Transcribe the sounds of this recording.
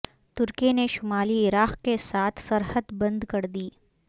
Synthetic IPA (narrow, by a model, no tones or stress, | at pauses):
t̪ʊɾkeneʃʊmaːliɪɾaːqkesaːt̪ʰsɐɾhəd̪bɐ̃nd̪kɐɾd̪iː